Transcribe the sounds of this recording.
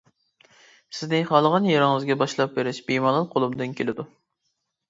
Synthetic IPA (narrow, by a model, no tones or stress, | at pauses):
sɪznɪχɑlˠəʁɑnjɑɾɨŋɨzɡʲɛbɑʃlˠɑp̚beɾɪʃbimɑlˠɑnqʰolˠumd̪ɨnkʲʰelɪd̪u